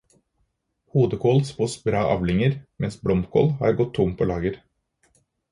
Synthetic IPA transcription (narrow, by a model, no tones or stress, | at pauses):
huːd̪əkʰoːlspoːsbɾɑːʔɑ̰ːʋlɪŋəɾmɛnsbɽɔmkʰo̰ːlhɑ̰ːɾɡɔt̪ʰːʊmpʰoːlɑːɡəɾ